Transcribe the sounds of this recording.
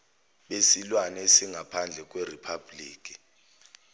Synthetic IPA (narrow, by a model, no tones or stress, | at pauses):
ɓesilwanɛsiŋʱapʰand͡ɮʱɛk̬ʼweripʰabliːk̬ʼi̥